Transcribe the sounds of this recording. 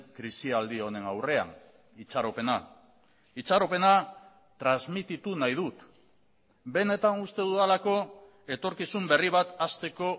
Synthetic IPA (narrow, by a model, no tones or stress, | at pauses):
kɾisiald̪io̞ne̞nawre̞a̰n | it͡ʃaɾo̞pe̞na | it͡ʃaɾo̞pe̞na | t̪ɾanzmit̪it̪unajð̞ut̪ | be̞ne̞t̪anust̪e̞ðualako̞ | e̞t̪o̞ɾkisumbe̞riβ̞at̪ast̪e̞ko̞